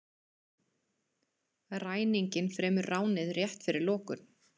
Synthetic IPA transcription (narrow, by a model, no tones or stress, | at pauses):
raːjniɲcɪnfɾɛːmʏɾːaːwnɪðrjɛht̪fɪɾɪɾlɔːkʏn